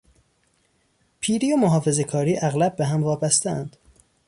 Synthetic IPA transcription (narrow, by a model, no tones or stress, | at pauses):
pʰiːɾijomoɦɒːfe̞ze̞kʰɒːɾiːʔæɣlæb̚ːeɦæmvɒːbæst̪eæ̰nd̪̥